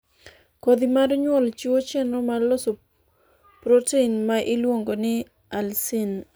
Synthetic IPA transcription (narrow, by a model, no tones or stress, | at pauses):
kod̪imadɔɲwɔlt͡ʃuwot͡ʃɛnomaloso | pɾoteinmaʔɪlwoŋɡonɪ | alsin